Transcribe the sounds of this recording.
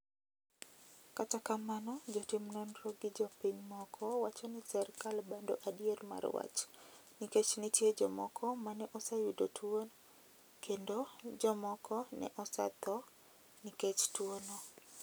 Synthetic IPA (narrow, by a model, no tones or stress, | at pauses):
katakamanɔd͡ʒɔtimnɔnɾɔɡɪd͡ʒɔpiɲmɔkʰɔwat͡ʃɔnisɛrkalbando̰ʔadijeɾma̰rwa̰t͡ʃniket͡ʃnitjed͡ʒɔmɔ̰kʰɔmanɛʔɔsajudotwon | kʰendod͡ʒɔmɔkʰɔnɛ̰ʔɔsa̰t̪ɔ | niket͡ʃtwono